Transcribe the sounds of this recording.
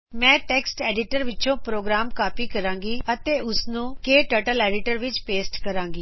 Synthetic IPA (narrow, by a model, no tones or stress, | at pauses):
mɛ̃ːʈɛːksʈɛːɖɪʈəɾʋɪtːt͡ʃõːpɾoːɡɾaːmkaːpiːkəɾãːŋɡiːət̪eːʊssnũːkeːʈəːʈəlɛːɖɪʈəɾʋɪt͡ʃpeːsʈkəɾãːŋɡiː